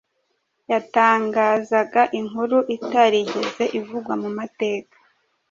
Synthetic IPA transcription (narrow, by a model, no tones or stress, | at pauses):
jataːŋɡaːzaɡaʔiŋɦuɾuʔitaɾiɟe̞ze̞ʔivuɡwamumate̞ːkḁ